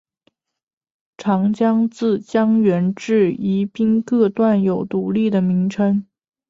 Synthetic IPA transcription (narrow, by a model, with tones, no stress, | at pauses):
ʈ͡ʂʰɑ˧˥ŋt͡ɕjɑ˥ŋt͡sɹ̩˥˩t͡ɕjɑ˥ŋɥɛ˧˥nʈ͡ʂɻ̩˥˩i˧˥pi˥nkɤ˥˧t̪wa˥˩njo˨˩ʊt̪u˧˥li˥˩d̪ə˩mi˧˥ŋʈ͡ʂʰə˥ŋ